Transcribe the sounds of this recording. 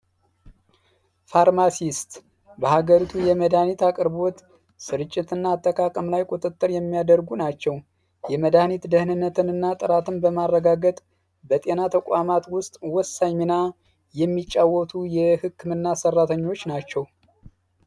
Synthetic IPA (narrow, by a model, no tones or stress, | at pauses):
faɾmasist̪ | bəhaɡəɾit̪ʰujɛməd̪anit̪akʼɨɾbo̞t̪ | sɨɾɨt͡ʃʼːɪt̪ʰɨnːaːt̪ʰːəkʼakʼəmlajkʼut̪ʼɨt̪ʼːɨɾjɛmːijad̪əɾɡunat͡ʃːɛw | jɛməd̪anit̪d̪əhnɨnːət̪ʰɨnɨnːat̪ʼɨɾat̪ʰɨnbəmarːəɡaɡət̪ʼ | bət̪ʼe̞nat̪ʰəkʷʼamat̪wʊst̪ʼwɔsːaɲmina | jɛmːit͡ʃʼːawːɔt̪ʰujɛhɨkʰːɨmɨnːasərːat̪ʰəɲːo̞t͡ʃːnat͡ʃːɛw